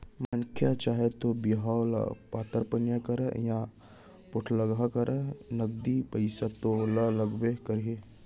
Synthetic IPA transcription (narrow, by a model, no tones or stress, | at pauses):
mankʰjat͡ʃaːɦet̪objɦawla̰paːt̪əɾpɐnjakɐɾəjã | pʊʈʰləɡakɐɾʔənɐɡ̚d̪ipəɪsat̪olalɐɡbekəɾe